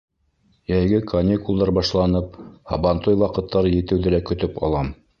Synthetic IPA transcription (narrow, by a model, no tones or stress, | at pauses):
jæjɡɘkʰɐnʲikulˠd̪ɑɾbɑʃlˠɑnɤp̚hɑ̰βɑnt̪ojwɑqɤ̆t̪ːɑɾɤjɘ̆t̪ɘ̆wðɘlækɵ̆t̪ɵpɑ̰lˠɑm